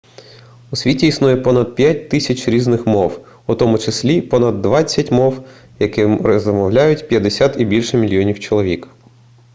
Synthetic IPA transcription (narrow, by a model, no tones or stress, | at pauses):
ʊsʲʋʲitʲiːsnujɛpɔnɐd̪̚pʲjatʲt̪ɪsʲɐt͡ʃʲɾʲiznɪxmɔw | ut̪ɔmʊt͡ʃesʲlʲipɔnɐd̪ːʋɑt͡sʲːɐtʲmɔw | jɐkɪrzɔmɔwlʲajʊtʲpʲjɐd̪esʲat̪ibʲilʲʃɛmʲilʲjɔnʲiwt͡ʃɔlˠɔʋʲik